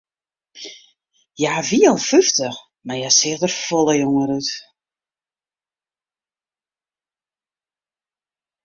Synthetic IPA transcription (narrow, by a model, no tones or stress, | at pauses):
jaːviɔlˠfyftəx | majasɪːɣdərfɔləjoŋəɾut